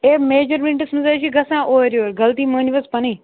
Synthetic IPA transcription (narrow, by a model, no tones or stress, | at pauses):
eːmeːd͡ʒəɾʋĩɳʈɪsmɪzɐːʃiɡɐsãːʔoːɾjoːɾɡɐlt̪iːmuniʋɐspɐniː